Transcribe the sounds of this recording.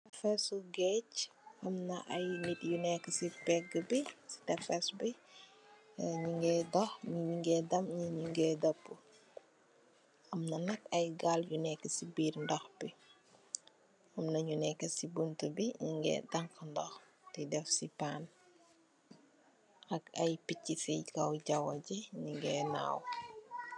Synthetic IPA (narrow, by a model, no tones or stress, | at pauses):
ɐfɛsuɡɛc | ɐmnɐʔɐjnit̚junɛkːəsipɛɡəbisi̥tɛfɛsbi | ɲiŋɡɛdɔxɲuɲiŋɡɛdɐmɲiɲuŋɡɛdɐpːu | ɐmnɐnɐkɐjɡaljunɛkːəsibiːrndɐxbi | ɐmnɐɲunɛkːɐsibuntəbiɲiŋɡɛ̰dɐŋkɐndɔx | tidɛfsipaːn | ʔɐkɐjpicːifikɐwɟɐwɐɟɛɲiŋɡɛːna̰ːw